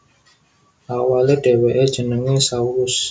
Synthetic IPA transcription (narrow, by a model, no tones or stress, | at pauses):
ʔawaleɖ̥e̤weʔed̥ʒ̥ə̤nəŋesauɾʊs